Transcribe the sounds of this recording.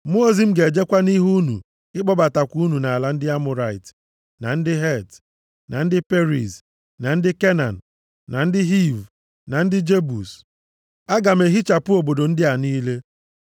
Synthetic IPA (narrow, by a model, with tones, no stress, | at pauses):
mo˦˨zi˨m̩˦ɡe˨d͡ʒe˦kʷa˦ni˦ɦu˦nṵ˨ | ɪ˦k͡pɔ˦ba˨ta˨kʷu˦u˦nu˨na˨la˦n̩˦dɪ˦a˦mʊ˨ɾa˨ɪ˨t | na˨n̩˦dɪ˦ɦɛ˦˨t | na˨n̩˦dɪ˦pe˦ɾḭ˨s | na˨n̩˦dɪ˦ke˦na˨n̩˨ | na˨n̩˦dɪ˦ɦi˦v | na˨n̩˦dɪ˦d͡ʒe˦bu˨s | a˦ɡa˨m̩˦e˨ɦi˦t͡ʃa˨pʊ˦o˨bo˨do˨n̩˦dɪ˦a˨niː˦le˦